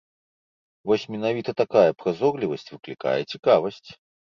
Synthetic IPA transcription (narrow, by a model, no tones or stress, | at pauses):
vɔsʲmʲɛnavʲit̪ɐt̪akajɐpɾazɔɡlʲivɐsʲt͡sʲvɨklʲika̰jɛt͡sʲikavɐsʲt͡sʲ